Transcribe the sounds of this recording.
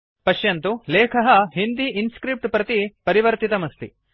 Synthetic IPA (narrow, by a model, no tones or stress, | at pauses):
pɐʃjɐnt̪uleːkʰɐɦɐɦind̪iʔinskɾip̚ʈpɾɐt̪ipɐɾiʋɐɾt̪it̪ɐmɐst̪ḭ